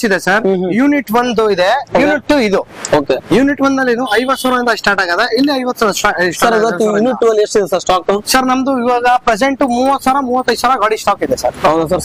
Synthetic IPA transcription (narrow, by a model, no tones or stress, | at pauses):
id̪esɐɾɦjuniʈʋɐnd̪uid̪eojuːniʈːuid̪uoːkejuːniʈʋɐnd̪ɐlːinuɐjʋɐt̪ːsaːʋɾɐɾind̪ɐsʈaːɾʈaːɡad̪eilːiɐjʋɐt̪ːsaɾɐsʈaːsɐɾiʋɐt̪ijuniʈːʋɐesʈid̪esɐɾsʈaːkusɐɾnɐmɐd̪uiʋaːɡɐpɾed͡ʒeɳʈumuːʋɐt̪ːsaɾamuːʋɐt̪ːɐj̪saɾɐɡaːɽisʈaːkid̪esɐɾɦɐwd̪usɐɾ